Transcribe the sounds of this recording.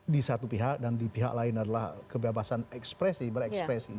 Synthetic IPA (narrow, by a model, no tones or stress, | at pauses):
disat̪upiɦak̚dandipiɦa̰k̚laɪnadalahkəbebasanɛkspɾɛsibəɾɛkspɾɛsi